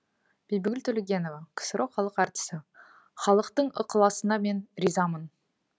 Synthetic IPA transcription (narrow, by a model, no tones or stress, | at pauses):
b̥ejbɪɡʲɪlt̪ʰɵlʲeɡʲe̞no̞vɑkʲʰə̥səɾʔoχɑlˠəqɑɾt̪ə̥sə | χɑlˠəqt̪əɴə̰qəlˠɑsənɑme̞nɾizɑmən